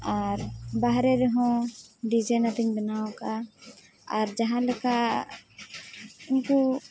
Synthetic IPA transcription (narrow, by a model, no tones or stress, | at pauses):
ɔːɾbaɦɾeɾeɦõɖid͡ʒenat̪əɲbənaõka | ɔːɾd͡ʒɐɦãləka | ʊnko